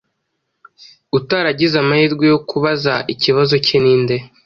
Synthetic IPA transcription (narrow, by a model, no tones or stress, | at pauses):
utaɾaɟizamahiːɾɡwejo̞kuβazaʔiciβazo̞ceniːnde̞